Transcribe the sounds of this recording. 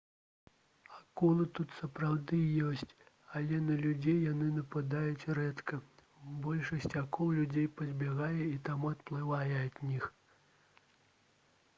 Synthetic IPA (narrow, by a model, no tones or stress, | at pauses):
akɔlˠɨt̪ut̪sɐpɾawd̪ɨjɔsʲt͡sʲ | ɐlʲɛnɐlʲud͡zʲejːanɨnɐpad̪ajut͡sʲrɛt̪kɐ | bɔlʲʂɐsʲt͡sʲakɔwlʲud͡zʲejpɐd͡zʲbʲaɣajɛit̪amuɐt̪plˠɨvajɛɐd̪ʲnʲix